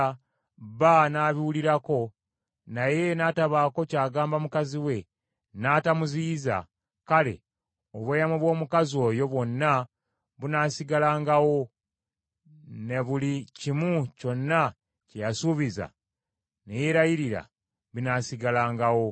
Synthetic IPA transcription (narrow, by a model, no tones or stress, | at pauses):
βanaːβiwuliɾako̞ | naje̞naːtaβaːko̞caːɡaːmbamukaziwe̞ | naːtamuziza̰ | kale̞̰ | oβweːjamuβwo̞ːmukazio̞ːjo̞βwo̞nːa | βunaːsiɡalaːŋɡawo̞ | ne̞βulicimuco̞nːa | cejasuβiza̰ | nejeɾajiɾiɾa̰ | βinaːsiɡalaːŋɡawo̞